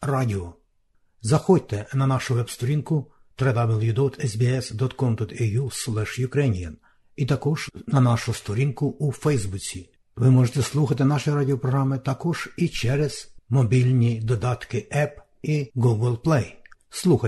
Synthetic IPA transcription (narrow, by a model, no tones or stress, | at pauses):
rɑdʲɪɔ | zɐxɔd̚ʲt̪ɛnɐnɑʃʊʋɛbst̪ɔɾʲinkʊ | t̪ɾɛd̪ɑbɛlˠjud̪ɔt̪ɛsbʲiɛsd̪ɔt̪kɔmd̪ɔt̪ɛjuslˠɛʃjʊkɾɛnʲijɐn | it̪ɐkɔʒ̥nɐnɑʃʊst̪ɔɾʲinkʊufɛjzbut͡sʲi | ʋɪmɔʒet̪ɛslˠuxɐt̪̬ɪnɑʃijɾɑdʲɪɔpɾɔɦɾɑmɪt̪ɑkɔʒ̥it͡ʃɛɾɛz̥mɔbʲilʲnʲid̪ɔd̪ɑt̪kɪʔɛp | iɡuɡɛlˠplˠɛjslˠuxɐ